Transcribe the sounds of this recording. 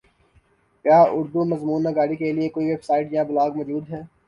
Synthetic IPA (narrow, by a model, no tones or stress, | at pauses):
kjaːʊɾd̪umɐzmuːnːɐɡaːɽikeliekoːiʋebsaːɪʈjɐãbʊlaːɡmɔːd͡ʒuːd̪ɦɛː